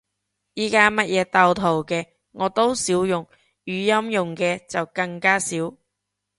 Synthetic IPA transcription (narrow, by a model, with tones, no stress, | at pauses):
jiː˨˥kaː˥mɐ˥t̚jʔɛː˨˧t̪ɐ˧wt̪ʰo˨˩wkɛː˧ | ŋɔː˨˧t̪o˥wsiː˨˥wjʊ˨˩ŋ | jyː˨˧jɐ˥mjʊ˨ŋkɛː˧t͡sɐ˨wkɐ˧ŋkaː˥siː˨˥w